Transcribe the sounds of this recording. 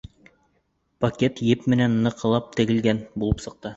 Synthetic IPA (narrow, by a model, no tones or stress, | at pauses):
pɐkʲet̪jɘpmɘ̆nænːɤ̆qɤ̆lˠɑp̚t̪ɘ̆ɡɘ̆lɡænbulˠɤpsɤ̆q̚t̪ɤ